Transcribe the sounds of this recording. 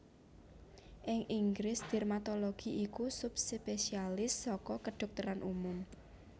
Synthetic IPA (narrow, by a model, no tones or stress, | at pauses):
ʔɪŋʔiŋɡɾɪsd̪̥ɛrmat̪ɔloɡ̥iʔikusʊp̚spesialɪsːɔkɔkəɖ̪̥ɔ̤k̚t̪əɾanʔumʊm